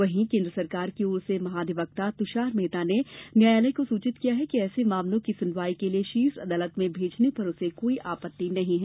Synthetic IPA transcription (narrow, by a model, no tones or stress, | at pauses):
ʋɐɦĩkẽːnd̪ɾəsɐɾkaːɾkioːɾsemɐɦaːd̪ɪʋək̚t̪at̪ʊʃaːɾmeːt̪anemjaːjaːləikosuːt͡ʃɪt̪kijaɦɛkiɛːsemaːmlõkisʊnʋaːikelieʃiːsɐ̰d̪aːlət̪mẽbʱeːd͡ʒnepɐɾʊsekoːiʔaːpət̪ːinɐɦĩɦɛː